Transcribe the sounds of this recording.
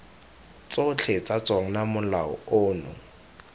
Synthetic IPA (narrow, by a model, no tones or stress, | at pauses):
t͡sʊt͡ɬʰɛt͡sat͡swaŋ̩namʊlaɔ̰ʊːnʊ̰